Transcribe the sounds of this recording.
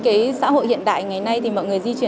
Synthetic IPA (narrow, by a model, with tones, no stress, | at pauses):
kaː˨˦jsa̰ː˧˥ho̰˧˨jhḭ˧˨ənɗa̰ː˧˨jŋa˨˩jna˧jt̪ʰi˨˩mɔ̰˧˨jŋɨ˨˩əjzi˧t͡ɕwi˨˩ə